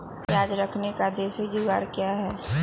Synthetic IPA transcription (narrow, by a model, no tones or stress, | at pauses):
jaːd͡ʒɾəkʰnekad̪eːsed͡ʒʊɡaːɾkjaɦɛː